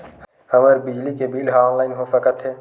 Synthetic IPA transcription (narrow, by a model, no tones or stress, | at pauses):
həməɾbɪd͡ʒlikebiːlɦaɔːnlaːɪnɦosəkət̪ɦeː